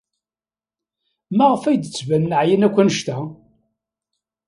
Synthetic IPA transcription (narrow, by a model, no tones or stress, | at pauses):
mæʁəfæjd̪ət͡sːvænːəʕjinækʷːænəʃt̪æ